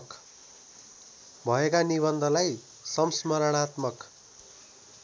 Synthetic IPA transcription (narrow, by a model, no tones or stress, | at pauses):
k | bʱʌekaniβʌnd̪ʱʌlaj | sʌmsmʌɾʌɽ̃at̪mʌk